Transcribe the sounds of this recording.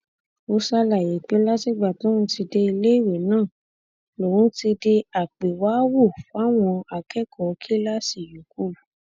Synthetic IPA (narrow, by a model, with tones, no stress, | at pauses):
o˧sa˧la˨je˨˦k͡pe˦la˦si˦˨ɡ͡ba˨tɔ̃˦ũ˧˦ti˧de˧i˧le˦i˦˨we˨nãː˦˨ | lo˨ɾũ˨˦ti˧de˧a˨k͡pe˨waː˨˦wu˦˨fa˦˨w̃ɔ̃˧a˨kɛ˦kʰɔ˨˧kʰi˦la˦si˦˨ju˨ku˦˨